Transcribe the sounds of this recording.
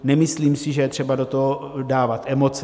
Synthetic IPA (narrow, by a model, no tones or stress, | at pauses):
nɛmɪsliːmsɪʒɛjɛt̪r̝̥ɛbado̞t̪oɦo | daːvat̪ʔɛmo̞t͡s